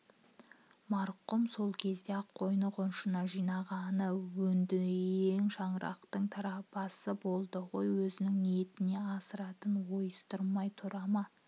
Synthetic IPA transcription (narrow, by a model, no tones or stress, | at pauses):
mɑɾqʊmso̞lˠkʲʰe̞zd̪e̞ɑqʰːo̞jnəqʊnʃənɑʒijnɑʁɑnəwɵnd̪ɪeŋʃɑɴəɾʔɑ̰qt̪əɴt̪ʰɑɾɑpɑsəbo̞lˠd̪əʁo̞jwɵzɪnɪŋniet̪ɪne̞ɑsəɾɑt̪ənwo̞jəst̪əɾmɑjt̪ʰʊɾɑmɑ